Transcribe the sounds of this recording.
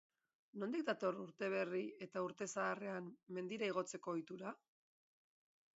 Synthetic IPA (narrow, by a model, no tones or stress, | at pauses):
no̞nd̪ik̚d̪at̪o̞ruɾt̪e̞β̞e̞rie̞t̪auɾt̪e̞saːre̞amme̞nd̪iɾaiɣ̞o̞t͡se̞ko̞ːjt̪uɾa